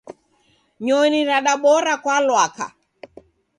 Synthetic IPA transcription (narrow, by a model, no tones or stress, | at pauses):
ɲɔniɾaɗaɓɔɾakwalwaka̰